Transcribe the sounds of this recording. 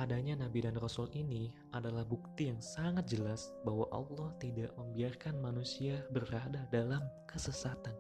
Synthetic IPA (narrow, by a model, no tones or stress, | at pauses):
ʔadaɲanabidanrɔsulini | ʔadalahbuk̚t̪ijaŋsaŋat̪̚d͡ʒəlasbaɦwaʔɑ̰lːɑht̪idaʔməmbiarkanmanusiabəradadalamkəsəsat̪an